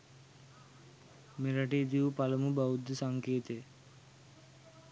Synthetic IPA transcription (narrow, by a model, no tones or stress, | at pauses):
meɾɐʈiːt̪iʋupɐlɐmubaud̪usaŋkeːt̪e